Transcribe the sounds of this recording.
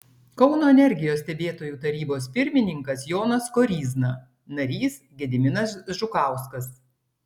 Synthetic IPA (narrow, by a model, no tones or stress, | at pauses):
kɒʊnoːɛnʲɛɾʲɡʲɪjoːsʲt̪ʲɛbʲeːt̪oːjuːt̪ɐɾʲiːboːspʲɪɾʲmʲɪnʲɪŋkɐsjoːnɐskɔɾʲiːznɐ | nɐɾʲiːs | ɡʲɛd̪ʲɪmʲɪnɐsʒʊkɑˑʊskɐs